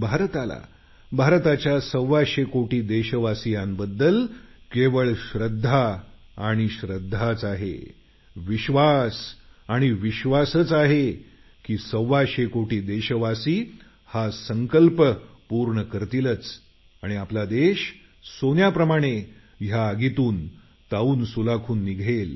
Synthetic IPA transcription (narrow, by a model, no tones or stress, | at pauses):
bʱaɾt̪ala̰ | bʱaɾt̪at͡ɕjasəwːaɕekoʈiːd̪eɕəʋasijãnbəd̪ːəlkeʋəɭɕɾəd̪ʱːaː | ɽ̃iɕɾəd̪ʱːat͡saɦḛ | ʋiɕʋasaɽ̃iʋiɕʋasət͡saɦe | kiːsəwʋːaɕekoʈiːd̪eɕəʋasiː | hasəŋkəlp | puɾɳəkəɾt̪ilət͡s | aɽ̃iaplad̪eɕ | sonjapɾəmaɽ̃e | ɦjaəɡit̪uːn | t̪auːnsulakʰuːnːiɡʱel